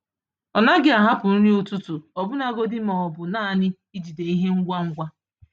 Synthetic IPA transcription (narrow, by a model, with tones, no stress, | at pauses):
ɔ˨na˦ɡɪ˦a˨ɦa˦pʊ˨n̩˦ɾi˦u˨tu˦tu˨ɔ˨bʊ˦na˨˦ɡo˦dɪ˦mɔ˨ɔ˨bʊ˨naː˦˨nɪ˦ | i˦d͡ʒi˨de˨i˦ɦe˦ŋ̩˦ɡʷa˦ŋ̩˦ɡʷa˦